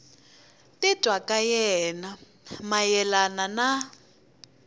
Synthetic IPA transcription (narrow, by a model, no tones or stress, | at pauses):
tɪtʼwakʼajɛna | majɛlanana